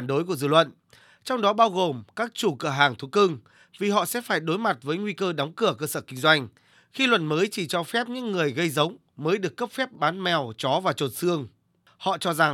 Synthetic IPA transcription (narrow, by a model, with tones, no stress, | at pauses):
nɗo˨˦jk̬u˧˩əzɨ̰˧˨lwə̰˧˨n | t͡ɕɔ˧wŋ͡mɗɔ˨˦ɓaː˧wɣo˨˩mkaː˦˥k̚t͡ɕu˧˩kɨ˧˩əɦaː˨˩ŋt̪ʰu˨˦kɨ˧ŋ | vi˨˩ɦɔ̰˧˨sɛ̰˧˥faː˧˩jɗo˨˦jma˨˩t̚vəː˨˦jŋwi˧kəː˧ɗaɔ˨˦wŋ͡mkɨ˧˩əkəː˧səː˧˩kï˧ŋ̟zwa˧jŋ̟ | xi˧lwə̰˧˨nməː˨˦jt͡ɕi˧˩t͡ɕɔ˧fɛ˦˥p̚ɲɨ̰˧˥ŋːɨ˨˩əjɣə˧jzə˨˦wŋ͡m | məː˨˦jɗɨ˨˩əkːə˦˥p̚fɛ˦˥p̚ɓaː˨˦nmɛ˨˩wt͡ɕɔ˨˦vaː˨˩t͡ɕo˨˩t̚sɨ˧əŋ | hɔ̰˧˨t͡ɕɔ˧za˨˩ŋ